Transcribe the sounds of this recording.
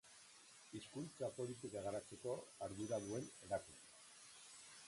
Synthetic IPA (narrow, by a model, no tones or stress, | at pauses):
iskunt͡sapo̞lit̪̬ikaɣaɾat͡se̞ko̞aɾðuɾaðue̞ne̞ɾakun